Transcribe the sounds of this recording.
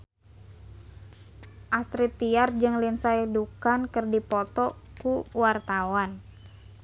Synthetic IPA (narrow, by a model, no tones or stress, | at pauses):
ʔast̪ɾit̪ːiard͡ʒɨŋlinsajdukankərdipɔt̪ɔkuwart̪awan